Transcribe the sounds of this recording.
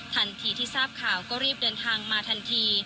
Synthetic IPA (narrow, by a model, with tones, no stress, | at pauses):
t̪ʰa˧nt̪ʰiː˧t̪ʰiː˥˩saː˥˩p̚kʰaː˨˩wkɔː˥˩ɾiː˥˩p̚dɤː˧nt̪ʰaː˧ŋmaː˧t̪ʰa˧nt̪ʰiː˧